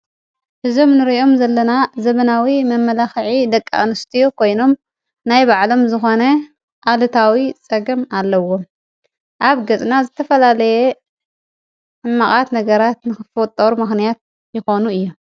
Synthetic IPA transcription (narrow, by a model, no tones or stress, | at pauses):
hɨzo̞mnɨɾio̞mzɐlːɐnazɐβɐnawimɐmːɐlaxʕid̪ɐkʼːa̰ʔnɨst̪ʰijokʰo̞jno̞m | najbaʕlo̞mzɨxo̞nɐ | ʔalɨt̪ʰawit͡sʼɐɡɨmalːɐwo̞m | ʔaβɡɐt͡sʼnazɨt̪ʰɐfɐlalɐjɛ | ʔɨmːaχʼat̪nɐɡɐɾat̪nɨxɨfowt̪ʼːɐɾumɨxnijat̪̚ | jɪxo̞nuɨjːu